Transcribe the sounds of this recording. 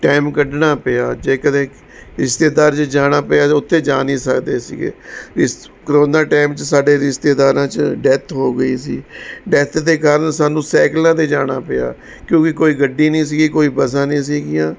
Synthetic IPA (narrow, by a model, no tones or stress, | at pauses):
ʈaːɪmkəɖnaːpəjaːd͡ʒeːkəd̪ẽː | ɾɪʃt̪eːd̪aːɾt͡ʃəd͡ʒaːnaːpɪjaːʊt̪ʰːeːd͡ʒaːniːsəkd̪eːsɪ̰ɡḛːɪs | kɾoːnd̪ãːʈaːɪmt͡ʃsaːɖeːɾɪʃt̪eːd̪aːɾãːt͡ʃɖɛt̪ʰɦoːɡəiːsiːɖɛt̪ʰd̪eːkaːɾənsaːnũːsɛːklãːt̪eːd͡ʒaːna̰ːpɪja̰ː | kjõːkɪkoːiːɡəɖːiːnĩːs̬iːɡiːkoːiːbəsãːnĩːs̬iːɡɪjãː